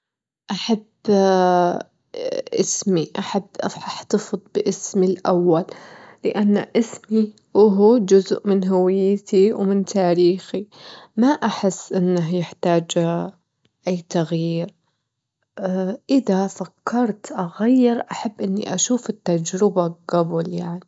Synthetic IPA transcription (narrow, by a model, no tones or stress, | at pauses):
ʔaħab | ʔɪsmiʔaħabːʔafħaħt̪ɑfɨd̪ˤbɪʔɪsmilʔa̰wːalːɪʔanːaʔɪsmi | ʔʊɦud͡ʒʊzʔmɪnɦawɪjːt̪ʰiwmɪnt̪ʰaːɾiːximaʔaħɪsːʔɪnːaɦjɪħt̪aːd͡ʒ | ʔajːt̪aɣjiːɾ | ʔɪðafakʰːɑɾˤt̪ʔaɣajːɪɾʔaħabːʔɪnːḭʔaʃuːfɪt̪ːad͡ʒɾɪbaɡabʊljaʕni